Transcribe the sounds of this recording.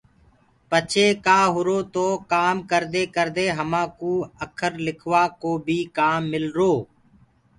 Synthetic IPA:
pət͡ʃʰeːkaːɦʊɾoːt̪oːkaːmkəɾd̪eːkəɾd̪eːɦəmãːkuːəkʰəɾlɪkʰʋaːkoːbʱiːkaːmːɪlɾoː

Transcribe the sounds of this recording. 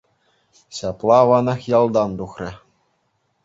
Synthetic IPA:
ɕɑplˠɑʋɑnɑxjɑlˠd̪ɑnd̪uxrʲɘ̆

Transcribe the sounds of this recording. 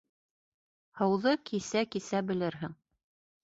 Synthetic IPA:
hɤ̆wðɤkʰisækisæbɘ̆lɘɾɦɘŋ

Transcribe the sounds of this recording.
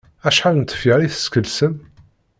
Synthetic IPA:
æʃħalnt̪ːə̥fiɾˤiθə̥skəlsəm

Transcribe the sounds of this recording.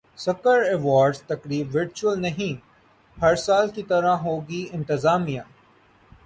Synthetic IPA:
sɐkəɾɛːʋaːɾɖz̥t̪ɐkɾiːbʋɪɾt͡ʃuəlnɐɦĩ | hɐɾsaːlkit̪ɐɾãɦoːɡiɪ̃nt̪ɪzaːmijãː

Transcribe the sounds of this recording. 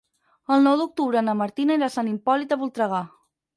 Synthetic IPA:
əlˠnɔwðuk̚t̪uβɾənəməɾt̪inaeɾasanimpɔlit̪əβulˠt̪ɾəɣa

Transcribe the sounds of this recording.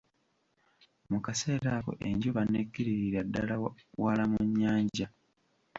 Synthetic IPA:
mukase̞ːɾako̞̰ʔe̞̰ɲɟuβaneɡːiɾiɾiɾadːalawalamuɲːaːɲɟa

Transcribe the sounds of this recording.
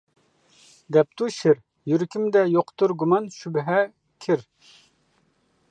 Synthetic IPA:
d̪ɛp̚t̪ʰuʃɪɾ | jyɾkʲʰimd̪ɛjoqt̪uɾɡumɑnʃybɦɛ | kʲʰɪɾ

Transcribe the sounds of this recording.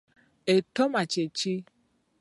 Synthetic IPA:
etomat͡ʃet͡ʃi

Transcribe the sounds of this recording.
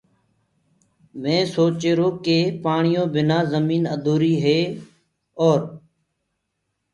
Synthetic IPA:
mẽːsoːt͡ʃeːɾoːkeːpaːɳɪjõːbɪnaːzəmiːnəd̪ʱoːɾiːɦeː | ɔːɾ

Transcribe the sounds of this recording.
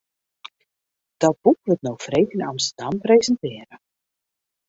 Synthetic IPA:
d̥ɔt̚b̥ukʋətnowfrejknɑmstərdɑmprejzəntɪːɾə

